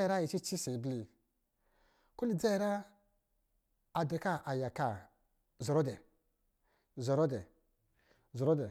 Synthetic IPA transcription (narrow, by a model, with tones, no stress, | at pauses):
ɾa˦ji˨t͡ʃi˦t͡ʃi˦si˨bli˨ | ku˦li˨d͡za˦jɾa˦ | a˨da˨ka˦˨ʔa˨ja˨ka˦˨ | ze˨ɾo˦de˨ | ze˨ɾo˦de˨ | zo˨ɾo˦de˨